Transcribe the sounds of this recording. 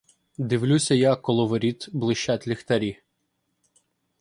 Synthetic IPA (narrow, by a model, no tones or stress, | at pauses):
d̪ɪʋlʲusʲɐjakːɔlˠɔʋɔɾʲit̪blˠɪʃt͡ʃat̪ʲlʲixt̪ɐɾʲi